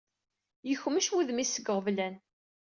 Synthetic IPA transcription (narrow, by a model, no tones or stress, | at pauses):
jəçməʃwiðmisəɡʁəvlæn